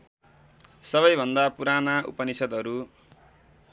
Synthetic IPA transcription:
sʌβʌjbʱʌnd̪apuɾanaʔṵpʌnisʌd̪ɦʌɾu

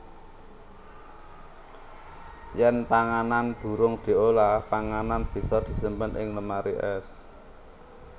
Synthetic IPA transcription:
jɛnpaŋananb̥ṳɾʊŋd̪̥i̤olapaŋananb̥i̤sɔd̪̥i̤səmpənʔɪŋləmaɾiʔɛ̰s

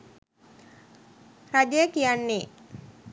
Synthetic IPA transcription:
rad͡ʒəjəkijanːe

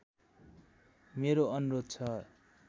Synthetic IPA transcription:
meɾoʌnurod̪̚t͡sʰʌ

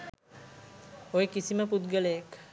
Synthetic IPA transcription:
ojekisiməpud̪ɡələjek

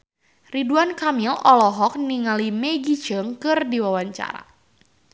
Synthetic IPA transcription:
riduankamilɔlɔɦɔk̚niŋalimɛɡit͡ʃəŋkɨrdiwawaɲt͡ʃa̰ɾa̰

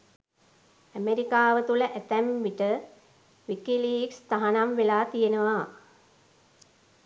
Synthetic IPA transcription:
æmeɾikaːʋət̪uləʔæt̪æmʋiʈə | ʋikiliːkst̪aɦanamʋelaːt̪ijenəʋa

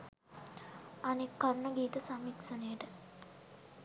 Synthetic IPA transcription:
anekːɐɾnəɡiːt̪əsamiksɐnejəʈə

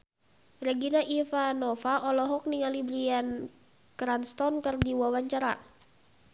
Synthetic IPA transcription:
rɛɡinaʔifanɔfaʔɔlɔɦɔk̚niŋalibɾian | kɾanst̪ɔnkərdiwawaɲt͡ʃaɾa̰

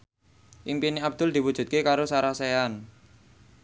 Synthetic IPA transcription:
ʔimpiniab̚d̪̥ʊ̤ld̪i̤wud̥ʒ̥ṳt̪̚kekaɾosaɾasean

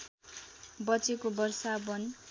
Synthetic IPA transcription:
bʌt͡sikobʌrsabʌn

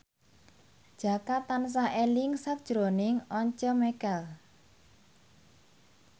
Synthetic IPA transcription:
d̥ʒ̥a̤kat̪ans̬aʔelɪŋsak̚d̥ʒ̥ɾonɪŋɔɲt͡ʃɔmɛkɛl

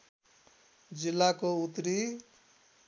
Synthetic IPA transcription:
d͡zilːakout̪ɾi

